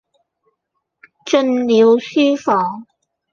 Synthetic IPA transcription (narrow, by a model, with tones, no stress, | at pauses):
t͡ʃə˥˧nli˨˧˥wsyː˥fɔː˨˥ŋ